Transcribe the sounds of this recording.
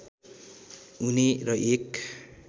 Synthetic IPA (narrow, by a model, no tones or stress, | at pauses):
unerʌʔek